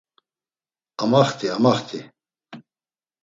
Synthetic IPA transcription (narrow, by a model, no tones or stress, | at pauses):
amaχt̪ʰʼiamaχt̪ʰi